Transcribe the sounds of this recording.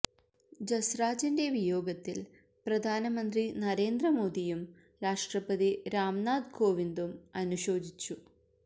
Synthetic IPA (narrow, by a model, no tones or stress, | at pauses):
d͡ʑɐsraːd͡ʑinde̞ʋijo̞ːɡɐt̪ːil | prɐd̪ʱaːnɐmɐnd̪rinɐɾe̞ːnd̪rɐmo̞ːd̪ijum | ɾaːʂʈrɐpɐðiɾaːmnaːd̪ko̞ːʋind̪umɐnuɕo̞ːd̪ʱit͡ɕːu